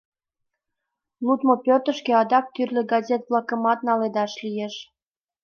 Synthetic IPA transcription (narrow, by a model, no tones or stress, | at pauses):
lut̪mopʲøt̪əʃkeɑd̪ɑk̚t̪yrlʲeɡɑzʲet̪βlˠɑkə̆mɑt̪nɑled̪ɑʃlijeʃ